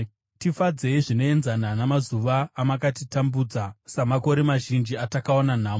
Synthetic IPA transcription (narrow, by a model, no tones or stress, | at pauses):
tifad͡ze̞iʐino̞e̞nzananamazuʋaːmakatitambuːd͡zasamako̞ɾe̞maʒind͡ʒiatakaonan̤aːmo